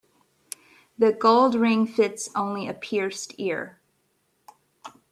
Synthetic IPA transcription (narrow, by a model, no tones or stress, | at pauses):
ðɨɡoʊlˠdɹɪ̃ŋfɪtsõʊ̃nliɨpʰɪɹstɪɹ